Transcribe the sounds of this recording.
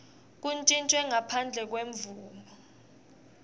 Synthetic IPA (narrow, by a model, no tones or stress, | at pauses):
k̬unt͡ʃʼint͡ʃʼwɛŋapʰand͡ɮʱɛk̬weɱvuːmɔ